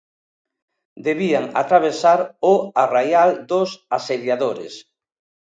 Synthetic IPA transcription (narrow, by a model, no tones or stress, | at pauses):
d̪eβiaŋa̰t̪ɾaβ̞esaɾʊarajald̪osaseðjaðoɾḛs